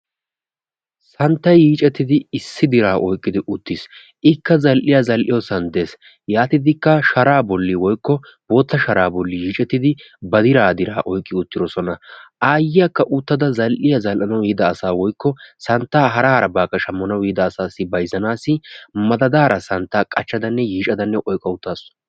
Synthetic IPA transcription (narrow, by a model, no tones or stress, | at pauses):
sɐnt̪ːɐjjiːt͡ʃʼɛt̪ːɪd̪ɪɪsːɪd̪ɪɾaːʔɔjkʼːɪd̪ɪʔʊt̪ːɪs | ʔɪkːɐzɐlʔɪjɐzɐlʔɪjɔsɐnd̪eːs | jaːt̪ɪd̪ɪkːɐʃɐɾaːbɔlːɪwɔjkːɔ | boːt̪ːɐʃɐɾaːbɔlːɪjiːt͡ʃʼɛt̪ːɪd̪ɪ | bɐd̪ɪɾaːd̪ɪɾa̰ːʔɔjkʼːɪʊt̪ːɪd̪ɔsɔnɐʔaːjːɪjɐkːɐʔʊt̪ːɐd̪ɐzɐlʔɪjɐzɐlʔɐnɐwiːd̪ɐːsaːwɔjkːɔsɐnt̪ːaːɦɐɾaːɾɐbaːkːɐʃɐmːɔnɐwiːd̪ɐːsaːsːɪbɐjzɐnaːsɪmɐd̪ɐd̪aːɾɐsɐnt̪ːaːkʼɐt͡ʃːɐd̪ɐnːɛjiːt͡ʃʼɐd̪ɐnːɛʔɔjkʼɐʊt̪ːaːsɔ̥